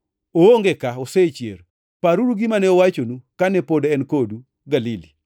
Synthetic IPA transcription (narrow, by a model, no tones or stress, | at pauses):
ooŋɡekaoset͡ʃjḛɾ | paɾuɾuɡimanɛɔwat͡ʃonukanɛpodɛnkodu | ɡalili